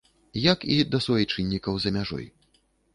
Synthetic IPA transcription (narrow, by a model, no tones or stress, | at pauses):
jɐkid̪ɐsvɔjt͡ʂɨnʲːikɐwzɐmʲaʐɔ̰j